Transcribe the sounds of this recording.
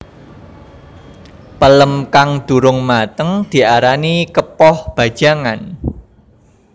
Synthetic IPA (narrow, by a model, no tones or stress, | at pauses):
pələmkaŋd̪̥ṳɾʊŋmat̪əŋd̪̥i̤ʔaɾanikəpɔhb̥a̤̥ʒ̥a̤ŋan